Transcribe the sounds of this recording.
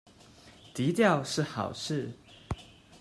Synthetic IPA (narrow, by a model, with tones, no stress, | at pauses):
t̪i˨˧˦t̪jɑ˥˨ʊʂɻ̩˥˩˨xɑ̰˨˩ʊʂʰɻ̩˥˨